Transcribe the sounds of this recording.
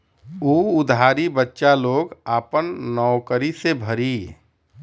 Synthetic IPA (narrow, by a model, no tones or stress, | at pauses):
uːʊd̪ʱɦaːɾibətːʃaloːɡaːpənːɔwkəɾisebʱəɾi